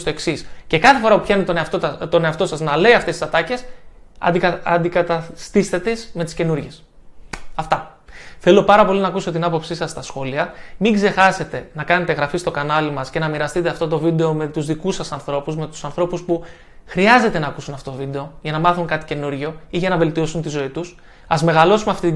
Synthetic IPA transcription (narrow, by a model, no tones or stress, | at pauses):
st̪o̞e̞ksisce̞kɐθe̞fo̞ɾɐpupçɐinet̪ont̪ot̪o̞ne̞ɐft̪o̞sɐznɐle̞iɐft̪esisɐt̪ɐce̞s | ɐd̪ikɐt̪ɐst̪istet̪esme̞t̪i̥sce̞nuɾʝe̞s | ɐft̪ɐ | θe̞lo̞pɐɾɐpo̞linɐːkuso̞t̪inɐpo̞psisɐsːt̪ɐsxo̞liɐmiŋɡze̞xɐse̞t̪e̞nɐkɐne̞t̪eɣɾɐfist̪o̞kɐnɐlimɐsce̞nɐmiɾɐst̪it̪eɐft̪o̞t̪̬o̞vid̪e̞o̞me̞t̪uzðikusɐsɐnθɾo̞puzme̞t̪u̥sɐnθɾo̞puspu | xɾiɐze̞t̪e̞nɐːkusunɐft̪ot̪ovid̪e̞o̞ʝɐnɐmɐθuŋkɐt̪i̥ce̞nuɾʝo̞iʝɐnɐve̞lt̪io̞sunt̪izo̞it̪us | ɐzme̞ɣɐlo̞sumeɐft̪it̪